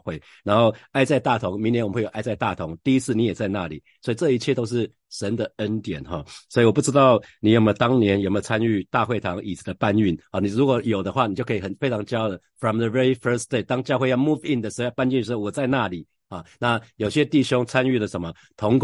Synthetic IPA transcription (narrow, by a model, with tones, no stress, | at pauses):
xwe˥˩ɪ | na˧˥nxo˥˩ʊa˥˧ɪt͡sa˥˧ɪt̪a˥˩t̪ʰʊ˧˦ŋmi˧˥ŋnjnwwo˨˩˨a˥˧ɪt͡sa˥˧ɪt̪a˥˨˩t̪ʰʊ˨˧˦ŋt̪i˥˧i˦˥t͡sʰɹ̩˥˩ni˨˦jɛ˨˩t͡sa˥˧ɪna˥˨lḭ˨˩swɔ˧˥i˨ʈ͡ʂɤ˥˧i˧˥t͡ɕʰjɛ˥˧t̪o˥ʊʂ̬ɻ̩˥˩ | ʂə˧˦nd̪ə˨ə˦˥nt̪jɛ˨˩nxɔ̰˨˩swɔ˧˥i˨wɔ˨p̬u˥˩ʈ͡ʂɻ̩˥t̪ɑ˥˩ʊni˨˩jo˨˩me˧˩t̪ɑ˥ŋnjɛ˧˦njo˨˩me˧˥˧t͡sʰa˦˥ny˥˧t̪a˥˧xwe˥˩ɪt̪ʰɑ˧˥ŋʔi˨˩t͡s̩˨˩d̪ə˧pa˥˧ny˥˩nhɑ˨ni˨˩ɻu˧˥kwɔ˨˩jo˨˩ʊd̪ə˦xwa˥˩ni˨t͡ɕjo˥˩ʊkʰə˧˥˨xə˨˩nfe˥ɪʈ͡ʂʰɑ˧˥ŋt͡ɕjɑ˥ʊd̪ə˨ | fɹɔ˨mðə˨ɹɛ˧˥i˦fə˥sd̪e˥˩ɪt̪ɑ˥ŋt͡ɕjɑ˥˧ʊxwe˥˧jɑ˥˧ʊmu˥fi˥˩nd̪ə˩ʂ̩˨˧o˥˧jpa˥˧ny˥˩n̩˧˥o˥˩wɔ˨˩t͡sa˥˧ɪna˥˨li˨˩˦ | hɔ˨˩na˥˨jo˨˩ʊɕjɛ˦t̪i˥˨˩ɕjo˥ŋt͡sʰa˦ny˥˩lə˩ʂə˧˦nmə˨ | t̪ʰʊ˧˥ŋk